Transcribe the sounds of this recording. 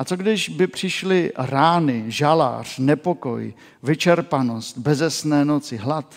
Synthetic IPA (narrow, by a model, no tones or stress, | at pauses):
ʔat͡soɡdɪʒbɪpr̝̥ɪʃlɪɾaːnɪʒala̰ːr̝̥nɛpo̞ko̞̰j | vɪt͡ʃɛɾpanost̪̚bɛzɛsnɛːno̞t͡sɪɦlat̪